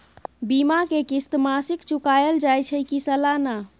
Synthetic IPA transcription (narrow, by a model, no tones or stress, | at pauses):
bimakekist̪masikt͡ʃukajəld͡ʒajt͡ʃʰəkisəlana